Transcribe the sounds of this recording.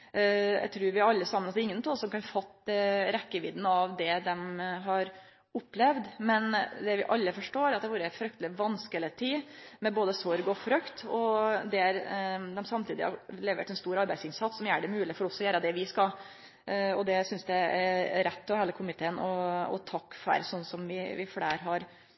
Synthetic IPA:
jæ̰ɪt̪ʰɾʉːɾʋɪɑlːəsɑmːənɑs̬ɪŋːənt̪ʰɔːlsɔmkɑnfɑt̪ːɾɛkːəʋɪd̪nɑʋd̪ɛd̪ɛmɦɑɾ | ʊpːlɛʋd̪mɛnd̪ɛʋɪʔɑlːəfɔʂʈoːɾɑt̪̚d̪ɛʋuːɾəɪfɾœk̚t̪əlɪʋɑnskəlɪt̪ʰiːmɛboːd̪əsɔɾɡɔfɾœkt̪ɔd̪ɛæɾd̪ɛmsɑmt̪ʰiːd̪ɪ̰hɑ̰leːʋə̰ʈ̪ɛnst̪uːɾɑɾbæɪsɪnsɑt̪ssɔmjæːɖɛmʉːlɪfɔɾɔsɔjæːɾəd̪ɛʋɪskɑl | ɔd̪ɛsʏnsd̪ɛæɾɾɛt̪ːɔʋheːləkʰʊmɪt̪ʰeːənɔɔ̰t̪ʰɑkːfæ̰ɾsɔnːsɔmʋɪʋɪfɽeːɾɦɑɾ

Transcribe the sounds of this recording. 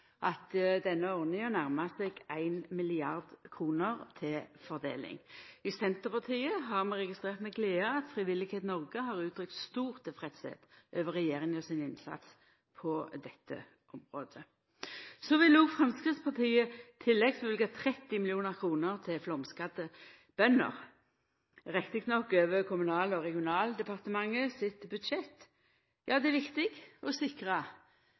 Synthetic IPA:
ʔɑt̪d̪ɛnːəɔʁnɪŋənæʁmɑsɛɡæɪnmɪlɪɑʁd̪kʰʁuːnəʁt̪ʰɪlfɔʁd̪ḛːlɪ̰ŋɪsɛnt̪əpɑt̪ʰiːəɦɑʁmɛʁɛɡɪst̪ʁeːʁt̪mɛɡleːəɑt̪fʁɪʋɪlːɪɡheːt̪nɔʁɡəɦɑʁʉːt̪ʰʁʏk̚t̪st̪uːʁt̪ʰːɪlfʁɛt̪sɛ̰t̪ʔøːʋəʁɛjeːɾɪŋɔsɪnɪnsɑ̰t̪s | pʰɔd̪ɛt̪ʰːə̰ | ʔɔmʁoːd̪ə | sɔʋɪluːɡfʁɑmskʁɪt̪spʰɑʁt̪ʰiːət̪ʰɪlːɛɡsɔʋɪlɡɑt̪ʰʁɛt̪ːɪmɪlɪuːnəʁkʰʁuːnəʁt̪ʰɪlflɔmskɑd̪ə | b̥œnə̰ʁ | ʁɛkt̪ɪkt̪nɔkːøːʋəkʰʊmʉnɑːlɔʁɛɡɪʊnɑːld̪ɛpʰɑʁt̪əmɑŋːəsɪt̪bʉd̪ʃɛt̪ː | jɑːd̪ɛæʋɪkt̪ɪɡɔsɪkʁɑ

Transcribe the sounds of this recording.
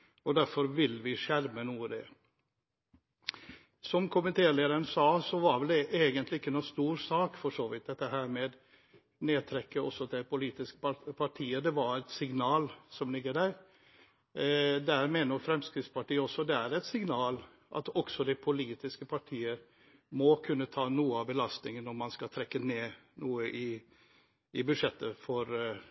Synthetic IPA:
ɔd̪æɾfɔɾʋɪlʋɪʂæɾmənuːəd̪ɛ̰ | sɔmkʰʊmɪt̪ʰeːleːd̪əɾənsɑːsɔʋɑɾʋɛld̪ɛʔeːɡənt̪lɪɪkːənuːst̪uːɾsɑːkfɔʂoːʋɪt̪̚d̪ɛt̪ːəɦæːɾmɛd̪ | neːt̪ʰɾɛkːəɔ̰sɔt̪ʰɪpʊliːt̪ɪskə̥pʰɑʈʰiːəd̪ɛʋɑɾɛt̪sɪŋnɑːlsɔmlɪɡːəɖæɾ | d̪æɾmeːnəɾfɾɛmskɾɪt̪spɑʈiːəɔsːɔd̪ɛæɾɛt̪sɪŋnɑːl | ʔɑ̰t̪ɔksɔd̪ɛpʰʊliːt̪ɪskəpʰɑʈʰiːəɾ | mɔkʰʉnːət̪ʰɑːnuːəɑʋbəlɑst̪nɪŋənːɔɾmɑnskɑt̪ʰɾɛkːəneːnuːəʔɪ | ɪbʉd̪ʂɛt̪ːəfɔɾ

